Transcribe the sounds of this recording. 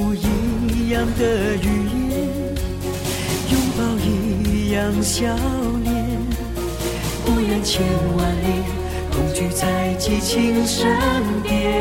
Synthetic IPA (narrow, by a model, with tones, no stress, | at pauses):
i˧˥jɑ˧ŋd̪ə˨y˧˩jɛ˥ | jʊ˥ŋpɑ˧˩ʊi˧jɑ˧˩ŋɕjɑ˧˥˦ʊljɛ˧˩n | kɔ˧˥ja˧nt͡ɕʰjɛ˧˩nwa˧nli˧ | k̪ʰʊ˨˧˩ŋt͡ɕy˧˩t͡sa˥˧ɪt͡ɕi˥˧t͡ɕʰi˧ŋʂə˧˥n̩t̪jɛ˧